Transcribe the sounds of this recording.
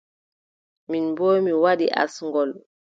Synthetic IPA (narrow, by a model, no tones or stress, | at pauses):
minbɔjmiwaɗḭʔa̰sŋɡɔl